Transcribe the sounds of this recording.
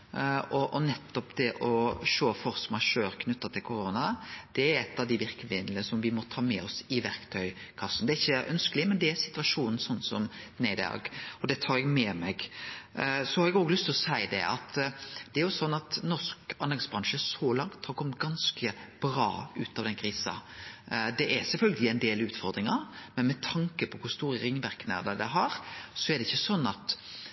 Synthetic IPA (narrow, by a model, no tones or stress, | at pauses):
ɔʔɔnɛt̪ːɔpd̪ɛʔɔʃoːfɔɾsɔmɑʃøːɾkʰnʉt̪ːɑt̪ʰɪlkʰʊɾoːnɑd̪̥ɛæɾɛt̪ːɑʋd̪ɪʋɪɾkəʋɪnləsɔmʋɪmɔt̪ʰɑːmɛɔsɪʋæɾkt̪ʰœʏkʰɑsːn̩d̪ɛæɾɪçːəʔœnskəlɪmɛnd̪ɛæɾsɪ̥t̪ʉɑʂuːnn̩sɔnːsɔmnæɪd̪ɑ̰ːɡɔd̪ɛt̪ʰɑːɾɛɡmɛmɛɡ | sɔhɑɾɛɡoːɡlʏst̪ʰɪlɔsæɪd̪ɛ̰ʔɑ̰t̪d̪̥ɛæɾjʊsɔnːɑt̪nɔskɑnɛɡsbɾɑŋʃəsɔlɑŋt̪hɑɾkʰɔmət̪ɡ̥ɑnskʰəb̥ɾɑ̰ːʉːt̪ɑʋd̪ɛnkʰɾiːsɑ̰ | d̪ɛʔæɾsɛlfœlɡəlɪɛnd̪eːlʉːt̪fɔɾd̪ɾɪŋɑmɛnmɛt̪ʰɑŋkəpʰɔkʰʊɾst̪uːɾəɾɪŋːʋæɾknə̰ɾd̪əd̪ɛɦɑɾsɔɛɾd̪ɛɪçːəsɔnːɑt̪